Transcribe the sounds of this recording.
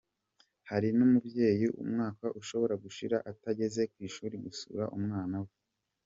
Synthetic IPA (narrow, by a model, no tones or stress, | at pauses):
haɾinumubje̞ːjiʔṵmŋaːkaʔuʃo̞βo̞ɾaɡuʃiɾaʔataɟe̞ze̞kwiːʃuːɾiɡusṵɾaʔumŋaːnawe